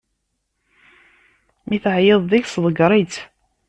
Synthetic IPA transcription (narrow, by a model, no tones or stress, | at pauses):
miθʕjəðˤðiçsðˤəɡɾˤit͡s